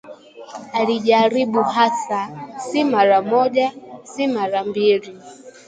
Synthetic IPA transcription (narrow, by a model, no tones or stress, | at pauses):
aliʄaɾiɓuɦasasimaɾamɔʄasimaɾambili